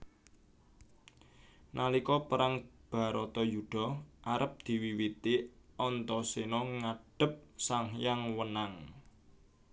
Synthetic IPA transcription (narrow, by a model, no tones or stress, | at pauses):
nalikɔpəɾaŋb̥a̤ɾɔt̪ɔjuɖ̪̥ɔ̤ʔaɾəp̚d̪̥i̤wiwit̪iɔnt̪ɔsinɔŋaɖ̥ə̤p̚saŋjaŋwənaŋ